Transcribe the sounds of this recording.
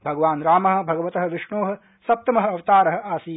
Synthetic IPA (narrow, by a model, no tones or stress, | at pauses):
bʱɐɡɐʋaːnɾaːmɐɦɐ̆bʱɐɡɐʋɐt̪ɐɦɐ̆ʋɪʂɳoːɦɐ̆ | sɐp̚t̪ɐmɐɦɐ̆ɐʋɐt̪aːɾɐɦɐ̆aːsiː